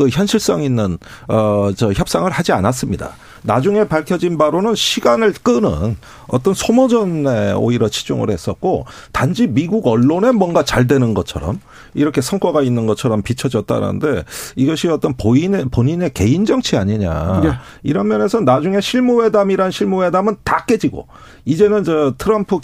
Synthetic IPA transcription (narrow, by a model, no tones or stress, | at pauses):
kɯçjʌnɕʰiɭs͈ʌŋinːɯnʌt͡ɕʌçjʌp̚s͈aŋɯɭhad͡ʑianas͈ɯmɲida̰ | nad͡ʑuŋe̞paɭkʰjʌd͡ʑinbaɾonɯnɕʰiɡanɯɭk͈ɯnɯ̰n | ʌ̰t͈ʌnsʰomʌd͡ʑʌnːe̞o̰iɾʌt͡ɕʰi̥d͡ʑo̰ŋɯ̰ɭhe̞s͈ʌ̰t̚k͈otand͡ʑimiɡuɡʌɭːone̞mwʌnɡat͡ɕaɭdwe̞nɯnɡʌt͡ɕʰʌɾʌ̰m | iɾʌkʰe̞sʰʌŋkwʌɡainːɯnɡʌt͡ɕʰʌɾʌmpit͡ɕʰʌd͡ʑʌt̚t͈a̰ɾa̰nɯ̰nde̞iɡʌɕʰiʌt͈ʌnpoinpoɲine̞ke̞ind͡ʑʌŋt͡ɕʰiaɲiɲa̰ | iɾʌnmjʌne̞sʰʌnad͡ʑuŋe̞ɕʰiɭmuwe̞damiɾanɕʰiɭmuwe̞damɯntak͈e̞d͡ʑiɡo̰ | id͡ʑe̞nɯnd͡ʑʌtʰɯɾʌmpʰɯ